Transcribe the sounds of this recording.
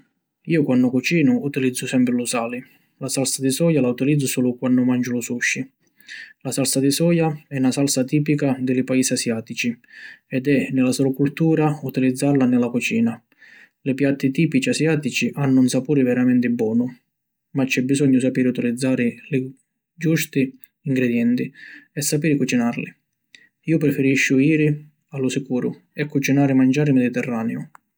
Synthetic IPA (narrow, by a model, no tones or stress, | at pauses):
iːʊkwanːʊkut͡ʃiːnʊut̪ilid̪zːʊsɛmpɾɪlʊsaːlɪ | lasalsad̪isɔːjalaut̪ilid̪zːʊsɔːlʊkwanːʊmand͡ʒʊlʊsuʃːi | lasalsad̪ɪsɔːjaɛnasalsat̪iːpikad̪ɪlɪpaiːsiasjaːt̪it͡ʃiɛd̪ɛnɪlasɔlʊkult̪uːɾaut̪ilid̪zːaɾlanɪlakɔt͡ʃiːna | lɪpjat̪ːɪt̪iːpit͡ʃiasjaːt̪it͡ʃiʔanːʊunsapuːɾɪvɛɾamɛnt̪ɪbːwɔːnʊ | mat͡ʃːɛbːizɔɲːʊsapiːɾɪut̪ilid̪zːaːɾɪlɪ | d͡ʒust̪ɪ | iŋɡɾɛd̪jɛnt̪ɪɛsːapiːɾɪkut͡ʃinarlɪ̰ | iːʊpɾɛfɪɾiʃːʊiːɾɪ | alːʊsɪkuːɾʊ | ɛkːut͡ʃinaːɾɪmand͡ʒaːɾɪmed̪it̪ɛrːaːneʊ